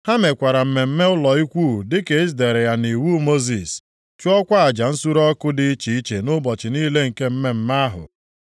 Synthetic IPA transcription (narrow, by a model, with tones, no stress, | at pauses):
ha˦me˨kʷa˨ɾa˨m̩˦˨me˨m̩˦me˦ʊ˦lɔ˨i˦kʷu˦˨dɪ˦ke˨˦ɪ˦z̬de˨ɾe˨ja˨ni˨wu˦mo˦zi˨s | t͡ʃu˦ɔ˦kʷa˦a˨d͡ʒa˨n̩˦su˦ɾɔ˦kʊ˦dɪ˦t͡ʃi˨i˦t͡ʃe˨nʊ˦bɔ˨t͡ʃɪ˨ni˦le˦ŋ̩˨ke˦m̩˦me˦m̩˦ma˦ɦʊ̰˨